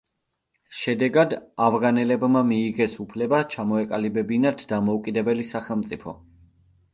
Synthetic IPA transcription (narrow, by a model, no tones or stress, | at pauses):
ʃɛd̪ɛɡad̪avʁanɛlɛbmamiːʁɛsupʰlɛbat͡ʃʰamɔɛkʼalibɛbinat̪d̪amɔukʼid̪ɛbɛlisaχɛlˠmt̪sʼipʰɔ̰